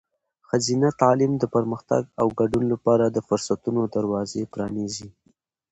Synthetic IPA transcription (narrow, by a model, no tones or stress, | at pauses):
xazinat̪ɑlimd̪əpəɾməxt̪a̰ɡawɡaɖunlapɑɾad̪əfʊɾsat̪unod̪aɾwɑzepɾɑnizi